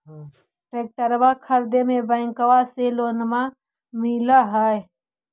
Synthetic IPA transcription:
ʈɾeːk̚ʈəɾbakʰəɾd̪emẽbə̃ɪ̃ŋkəwaseloːnma | milaɦəe

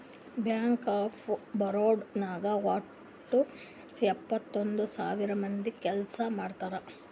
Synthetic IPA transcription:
bjaːŋkaːpʰbɐɾoːɖnaːɡɐʋaː | ʈːu | ɛpːɐt̪ːo̞nd̪usa̰ːʋiɾɐmɐnd̪ikɛlsɐmaːɖt̪aːɾɐ

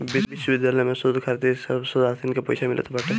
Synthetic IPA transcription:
bibiʃːobid̪jalɔjmesod̪ukʰaɾt̪isaɾbsod̪asinkepɔjsʰamilḭt̪epaɾʈ̪e

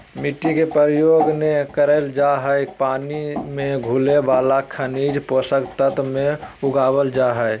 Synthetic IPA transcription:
miʈikepəɾjoɡnekəɾəld͡ʒaɦəjpaːnimeɡʱulebalakʰənid͡ʒposəkt̪ət̪mẽuɡaːbəld͡ʒaɦəj

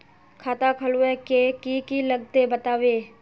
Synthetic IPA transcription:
kʰaːt̪akʰɐluɛkekikilɐɡ̚t̪ebɐt̪aːʋeː

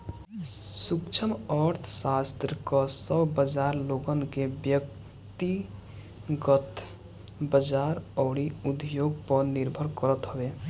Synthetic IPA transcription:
sukt͡ʃʰəməɾt̪ʰsast̪ɾkɔsəbbəd͡ʒaɾloɡənkebjək̚ | t̪i | ɡət̪ | bəd͡ʒaɾɔʊɽiud̪joɡpəɾniɾbʱəɾkəɾət̪ɦəbe

